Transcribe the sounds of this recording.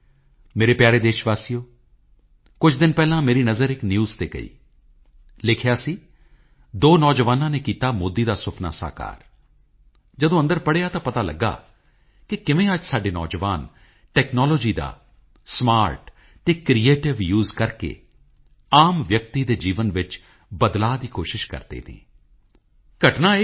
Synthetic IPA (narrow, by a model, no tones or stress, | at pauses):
meːɾeːpjaːɾeːd̪eːʃʋaːsijoː | kʊt͡ʃʰd̪ɪnpɛːlãːmeːɾiːnəzəɾɪknjuːzt̪eːɡə̰ḭː | lɪkʰjaːsiː | d̪oːnɔːd͡ʒʋaːnãːneːkiːt̪aːmoːd̪ːiːd̪aːsʊpʰna̰ːsa̰ːka̰ːɾ | d͡ʒəd̪õːə̃nd̪əɾpəɽeːaːt̪ãːpət̪aːlə̰ɡːa̰ː | kɪkɪʋẽːəd͡ʒsaːɖeːnɔ̰ːd͡ʒʋaːn | ʈɛːknɔːloːd͡ʒiːd̪a̰ː | smaːɾʈ | t̪eːkɾijeːʈɪʋjuːzkəɾkḛː | aːmʋjək̚t̪iːd̪eːd͡ʒiːʋənʋɪt͡ʃ | bəd̪laːd̪iːkoːʃɪʃkə̰ɾd̪ḛːt̪ḭː | kəʈnaː